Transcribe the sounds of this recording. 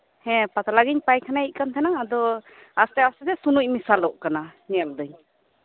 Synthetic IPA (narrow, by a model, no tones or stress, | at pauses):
hɛ̃pat̪alaɡiɲpajkʰanait̚kant̪ʰɛnaŋad̪ɔ | ast̪ɛastɛt̪ɛsunuc̚misalɔʔkananɛald̪ɯɲ